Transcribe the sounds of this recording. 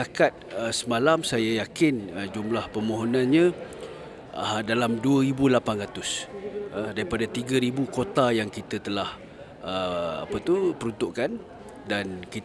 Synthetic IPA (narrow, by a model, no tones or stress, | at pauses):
akat̪̚əsəmalamsajajakɪnəd͡ʒumlahpəmoɦonanɲə̃ | adalamduəɾibulapanrat̪ʊsədaɾipadat̪iɡəɾibukot̪ajaŋkit̪ət̪əlah | əa̰pət̪upəɾunt̪ʊʔkan | dankit